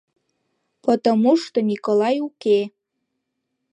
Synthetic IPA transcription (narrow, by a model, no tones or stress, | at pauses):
pot̪omuʃt̪onʲikolɑjuke